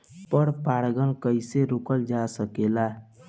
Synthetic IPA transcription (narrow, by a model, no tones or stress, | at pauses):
pəɾpaɽɡəlkəɪseɾukəld͡ʒasəkela